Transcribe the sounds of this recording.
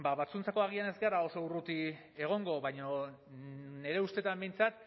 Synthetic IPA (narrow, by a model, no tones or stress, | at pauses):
baβat͡sunt͡sako̞aɣ̞iane̞zɡerao̞so̞urut̪i | e̞ɣ̞o̞ŋɡo̞βajɲo̞ | ne̞ɾe̞ust̪e̞t̪ambe̞jnt͡sat̪